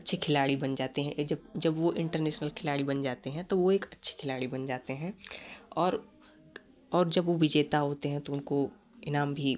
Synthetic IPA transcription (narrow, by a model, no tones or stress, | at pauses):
ɐtːʃʰekʰɪlaːɽibɐnd͡ʒaːt̪eɦɛ̃ʔd͡ʒɐbd͡ʒɐbʋoʔɪ̃ɳʈəɾnɛːʃnəlkʰɪlaːɽibɐnd͡ʒaːt̪eɦɛ̃t̪oʋoeːkɐtːʃʰe̥kʰɪlaːɽibɐnd͡ʒaːt̪eɦɛ̃ɔːɾ | ɔːɾd͡ʒɐbʋoʋɪd͡ʒeːt̪aɦoːt̪eɦɛ̃t̪oʊnko | ɪnaːmbʱi